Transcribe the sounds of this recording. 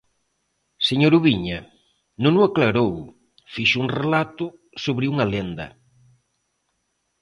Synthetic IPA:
seɲoɾuβiɲɐ | nõŋʊaklaɾow | fiʃʊuŋrelat̪ʊ | soβɾɪuŋɐlend̪ɐ̰

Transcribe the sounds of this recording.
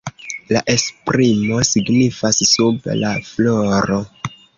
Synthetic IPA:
laʔe̞spɾimo̞siɡnifassublafloɾo̞

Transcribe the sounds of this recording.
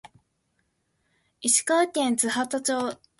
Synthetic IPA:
iɕi̥kakʲẽnt͡sɨhat̪at͡ɕoː

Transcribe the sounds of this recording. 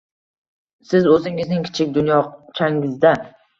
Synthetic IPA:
sɪzɵzɪŋɪznɪŋkʲʰɪ̥t͡ʃʰɪkʲd̪ʊnjɒt͡ʃʰaŋɪzd̪a

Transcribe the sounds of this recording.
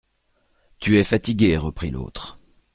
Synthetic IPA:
t̪yɛfat̪iɡʲeʁəpχḭlo̰t̪χ

